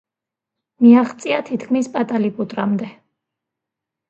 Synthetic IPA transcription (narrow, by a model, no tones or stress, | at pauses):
miaχt̪sʼiat̪ʰit̪ʰkʰmispʼat̪ʼalipʼut̪ʼɾamd̪ɛ